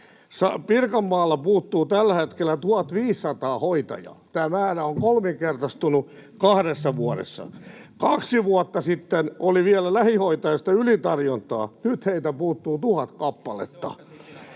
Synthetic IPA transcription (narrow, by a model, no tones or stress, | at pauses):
sɑpirkɑmːɑːlːɑpuːt̪ːuːt̪ælːæhet̪kelːˑæt̪uhɑt̪ʋiːsːɑt̪ɑːhoit̪ɑ̰jɑ̰t̪æːmæːɾæoŋkolmiŋkert̪ɑst̪unu | kɑhɾesːɑʋuɑɾḛsːɑ̰ | kɑksiʋuɑt̪ːɑsit̪ːenoliʋiælælæhihoit̪ɑjɑst̪ɑylit̪ɑrjont̪ɑ̰ːnyt̪heit̪æpuːt̪ːuːt̪uhɑt̪kɑpːɑlḛt̪ːɑ̰